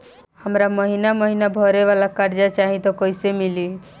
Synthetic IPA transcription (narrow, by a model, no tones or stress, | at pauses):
həmɾaməɦinaməɦinabʱɔɾeʋalakaɾd͡ʒat͡ʃaɦit̪ɔkəisemili